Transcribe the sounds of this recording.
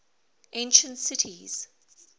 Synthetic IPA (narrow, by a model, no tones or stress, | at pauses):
ʔẽnʃə̃ntsɪtʰiz̥